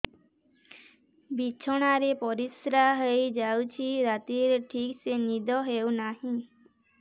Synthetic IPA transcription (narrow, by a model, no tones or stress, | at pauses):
bit͡ʃʰɔɽ̃aɾepɔɾisɾaɦəjd͡ʒawt͡ʃʰiɾat̪iɾʈʰiksenid̪ʱɔɦewnaɦĩ